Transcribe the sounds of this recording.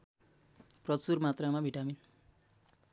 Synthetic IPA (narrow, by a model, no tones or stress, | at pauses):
prʌt͡surmat̪ramabʱiʈamin